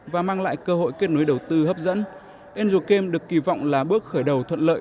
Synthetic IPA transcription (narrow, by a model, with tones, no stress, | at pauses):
vaː˨˩maː˧ŋla̰ː˧˨jkəː˧ɦo̰˧˨jke˦˥t̚nu˨˦jɗə˨˩wt̪ɨ˧həː˦˥p̚zə̰˧˥n | ʔe˧nzu˨˩ke˧mɗɨ˨˩əkːi˧˩vɔ̰˧˨wŋ͡mlaː˨˩ɓɨ˦˥ək̚xəː˧˩jɗə˨˩wt̪ʰwə̰˧˨nlə̰ː˧˨j